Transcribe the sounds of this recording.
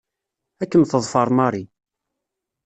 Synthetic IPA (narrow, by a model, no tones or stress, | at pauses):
ækːəmθəðˤfɑɾˤmɑɾˤi